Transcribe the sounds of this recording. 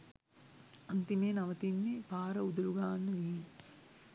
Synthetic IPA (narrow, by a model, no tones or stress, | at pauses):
ɐnt̪imeːnɐʋɐt̪inːepaːɾɐud̪uluɡaːnːɐʋiː